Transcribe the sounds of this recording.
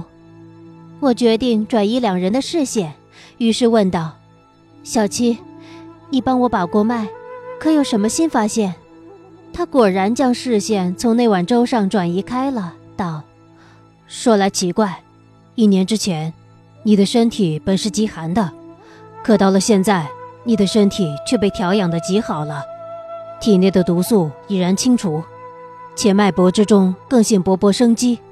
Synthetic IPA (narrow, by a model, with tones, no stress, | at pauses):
wɔ˨˩t͡ɕɥɛ˧˥t̪i˥˩ŋʈ͡ʂwa˨˩ni˧˥ljɑ˨˩ŋɻə˧˥nd̪ə˧ʂɻ̩˥˧ɕjɛ˥˩n | y˧˥ʂɻ̩˥˧wə˥˧nt̪ɑ˥˩ʊ | ɕjɑ˨˩ʊt͡ɕʰi˥ | i˥˩pa˥nwɔ˧˥pa˨˩kwɔ˥ma˥˩ɪkʰɤ˧˥jo˨˩ʊʂə˧˥nmə˧ɕi˥nfa˥ɕjɛ˥˩n | t̪ʰa˥kwɔ˨˩ɻa˧˥nt͡ɕjɑ˥ŋʂɻ̩˥˧ɕjɛ˥˩nt͡sʰʊ˧˥ŋne˥˩ɪwa˨˩nʈ͡ʂo˥ʊʂɑ˥˩ŋʈ͡ʂwa˨˩ni˧˥kʰa˥ɪlə˨t̪ɑ˥˩ʊ | ʂwɔ˥la˧˥ɪt͡ɕʰi˧˥kwa˥˩ɪ | i˥˩njɛ˧˥nʈ͡ʂɻ̩˥t͡ɕʰjɛ˧˥n | ni˨˩d̪ə˦ʂə˥nt̪ʰi˨˩˦pə˨˩nʂɻ̩˥˩t͡ɕi˧˥xa˧˥nd̪ə˧ | kʰɤ˨˩t̪ɑ˥˩ʊlə˩ɕjɛ˥˧nt͡sa˥˩ɪni˨˩d̪ə˦ʂə˥nt̪ʰi˨˩t͡ɕʰɥɛ˥˧pe˥˩ɪt̪ʰjɑ˧˥ʊjɑ˨˩ŋd̪ə˦t͡ɕi˧˥xɑ˨˩ʊlə˦ | t̪ʰi˨˩njɛ˥˩d̪ə˩t̪u˧˥su˥˩i˨˩ɻa˧˥nt͡ɕʰi˥ŋʈ͡ʂʰu˧˥ | t͡ɕʰjɛ˨˧˩ma˥˩ɪpwɔ˧˥ʈ͡ʂɻ̩˥ʈ͡ʂʊ˥ŋkɤ˥˧ŋɕi˥˩ŋpwɔ˧˥pwɔ˧˥ʂɤ˥ŋt͡ɕi˥